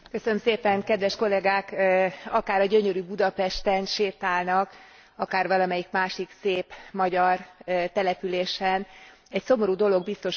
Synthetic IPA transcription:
køsønømseːpɛŋkɛd̪ʋɛʃko̞lɛɡaːkɒkaːɾɒɟø̞ɲø̞ɾyːbud̪ɒpɛʃt̪ɛnʃeːt̪aːlnɒk | ɒkaːrʋɒlɒmɛjikmaːʃikseːpmɒɟɒrt̪ɛlɛpyleːʃɛn | ɛcso̞mo̞ɾuːd̪o̞lo̞ɡ̚bist̪o̞ʃ

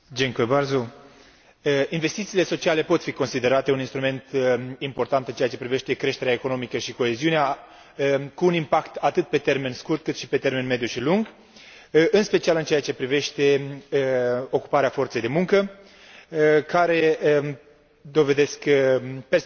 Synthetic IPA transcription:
d͡ʒeŋkuebarzu | inve̞st̪it̪siːle̞so̞t͡ʃiale̞po̞t̪fiko̞nsid̪e̞ɾat̪e̞uninst̪ɾume̞nt̪impo̞rt̪ant̪ɨnt͡ʃeat͡ʃe̞pɾive̞ʃt̪e̞kɾe̞ʃt̪e̞ɾeaeko̞no̞mikəʃiko̞e̞ziunea | kuːnimpakt̪at̪ɨt̪̚pe̞t̪e̞rme̞nskurt̪̚kɨt̪ʃipe̞t̪e̞rme̞nme̞d̪juʃiluŋɡ | ɨnspe̞t͡ʃialɨnt͡ʃeat͡ʃe̞pɾive̞ʃt̪e̞ | o̞ku̥paɾeafo̞rt̪sejd̪e̞muŋkə | kaɾe̞ | d̪o̞ve̞d̪e̞skpe

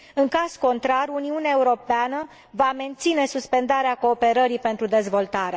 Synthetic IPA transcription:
ɨŋkaz̥ko̞nt̪ɾaruniuneaeuɾo̞peanə | vame̞nt̪sine̞suspe̞nd̪aɾeako̞ːpe̞ɾəɾipe̞nt̪ɾud̪e̞zvo̞lt̪aɾea

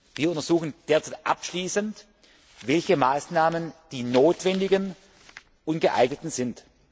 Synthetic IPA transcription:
viːɐʊntɐz̥uːxn̩d̥eːɐt͡saɪtʔa̰pʃliːsənt | vɛlçəmaːsnaːmənd̥iːnoːtv̥ɛndɪɡən | ʔʊnɡəʔa̰ɪɡnətn̩zɪnt

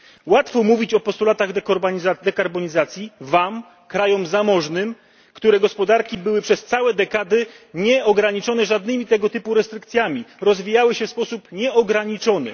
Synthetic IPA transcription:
wat̪fɔmuvʲit͡ɕɔpɔst̪ulat̪aɣd̪ɛkɔɾbazad̪ɛkaɾbɔɲizat̪sʲjivam | kɾajɔmzamɔʐnɘm | kt̪uɾɛɡɔspɔd̪aɾkʲibɘwɘpʂɛst̪sawɛd̪ɛkad̪ɘɲɛʔɔɡɾaɲit͡ʂɔnɛʐad̪̚nɘmʲit̪ɛɡɔt̪ɘpuɾɛst̪ɾɘkt̪sʲjamʲiɾɔzvʲijawɘɕɛfspɔsupɲɛʔɔɡɾaɲit͡ʂɔnɘ̰

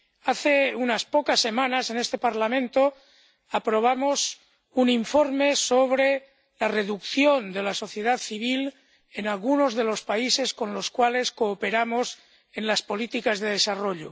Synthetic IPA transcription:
aθeunaspokasːe̞mãnase̞nest̪e̞paɾlamẽnt̪o | apɾo̞β̞amos | uniɱfo̞ɾme̞soβɾe | lare̞ðukθjo̞nd̪e̞laso̞θje̞ðat̪θiβ̞il | enalɣuno̞zðelo̞spaise̞skõ̞nlo̞skwale̞skoːpe̞ɾamo̞s | e̞nlaspo̞lit̪ikazðe̞ð̞e̞saro̞ʎo

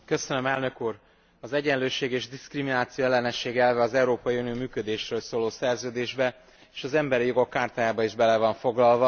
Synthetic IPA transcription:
køsønømɛlnø̞kuːr | ɒzɛɟɛnløːʃeːɡeːʒd̪iskriminaːt̪sijoɛlːɛnɛʃeːɡɛlvɛɒzɛuɾoːpɒjiunioːmyːkød̪eːʃrøːlsoːloːsɛrzøːd̪eːʒbɛ | eːʃɒzɛmbɛɾijo̞ɡo̞kːaːrt̪aːjaːbɒiʒbɛlɛvɒɱfo̞ɡlɒlvɒ

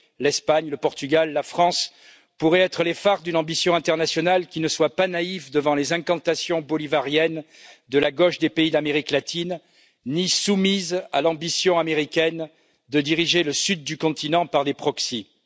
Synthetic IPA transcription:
lɛspaɲləpɔʁt̪yɡalːafχɑ̃s | puʁɛɛt̪χəlefaʁd̪ynɑ̃bisjɔ̃ɛ̃t̪ɛʁnasjɔnalkʲinəswapanaivd̪əvɑ̃lezɛ̃kɑ̃t̪asjɔ̃bɔlivaʁjɛn | d̪əlaɡɔʃd̪epeid̪ameʁiklat̪ʰinː | isumizalɑ̃bisjɔ̃ameʁikʲɛn | d̪əd̪iʁiʒeləsyd̪̚ːykɔ̃t̪ʰinɑ̃paʁlepχɔksi

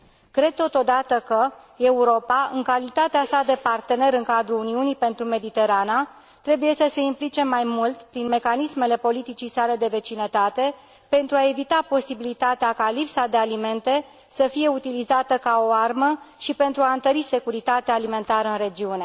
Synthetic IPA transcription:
kɾe̞d̪̚t̪o̞t̪o̞d̪at̪əkə | e̞uɾo̞paɨ̰ŋkalit̪at̪easad̪e̞part̪e̞ne̞ɾɨŋkad̪ɾuluniunipe̞nt̪ɾume̞d̪it̪e̞ɾana | t̪ɾe̞buje̞səse̞implit͡ʃe̞mːajmult̪pɾinme̞kanisme̞le̞po̞lit̪it͡ʃijsale̞d̪e̞ve̞t͡ʃinət̪at̪e̞ | pe̞nt̪ɾuae̞vit̪apo̞sibilit̪at̪eakalipsad̪e̞alime̞nt̪e̞ | səfije̞ut̪ilizat̪əkao̞arməʃipe̞nt̪ɾuaɨnt̪əɾise̞kuɾit̪at̪eaːlime̞nt̪aɾəɨnɾe̞d͡ʒiune̞

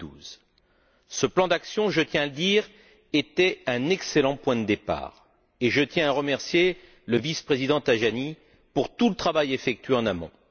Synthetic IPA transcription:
uz | səplɑ̃d̪aksjɔ̃ʒət̪jɛ̃aləd̪iʁ | et̪ɛɛ̃nɛkselɑ̃pwɛ̃d̪əd̪epa̰ːʁ | eʒət̪jɛ̃aʁəmɛʁsje | ləvispχezid̪ɑ̃t̪aʒani | puʁt̪ulət̪χavajefɛk̚t̪ɥeɑ̃namɔ̰̃

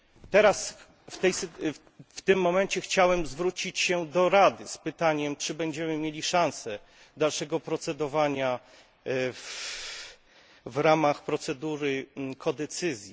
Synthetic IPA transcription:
t̪ɛɾas | ft̪ɛjs | ft̪ɘmːɔmɛɲt͡ɕɛxt͡ɕawɛmzvɾut͡ɕit͡ɕɕɛd̪ɔɾad̪ɘspɘt̪aɲɛmt͡ʂɘbɛɲd͡ʑɛmɘmʲjelʲiʂãñsɛ | d̪alʂɛɡɔpɾɔt̪sɛd̪ɔvaɲa | vɾamaxpɾɔt̪sɛd̪uɾɘkʰɔd̪ɛt̪sɘzʲji

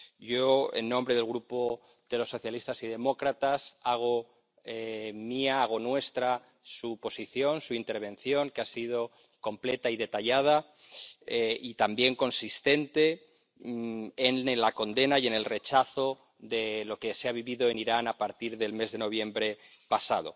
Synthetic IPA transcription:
ɟ͡ʝo̞ḛnːõ̞mbɾeðelɣɾupo | ðe̞lo̞sːo̞θjalist̪asið̞e̞mo̞kɾat̪asaɣ̞o̞ | emiaaɣ̞o̞nwe̞st̪ɾa | supo̞siθjo̞nsuint̪e̞ɾβ̞ẽ̞n̟θjo̞ŋkeasið̞o̞ | ko̞mple̞t̪aiðe̞t̪aʎað̞a | eit̪ambje̞ŋko̞nsist̪e̞nt̪e̞ | enelako̞nd̪e̞naje̞ne̞lre̞t͡ʃaθo | ðe̞lo̞keseaβ̞iβiðo̞eniɾanapaɾt̪iɾðe̞lme̞zðe̞no̞β̞jẽ̞mbɾe̞ | pasað̞o̞̰

